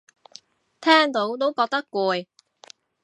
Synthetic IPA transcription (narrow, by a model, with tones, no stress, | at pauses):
t̪ʰɛː˥ŋt̪o˨˥wt̪o˥wkɔː˧k̚t̪ɐ˥kkːuː˨˧j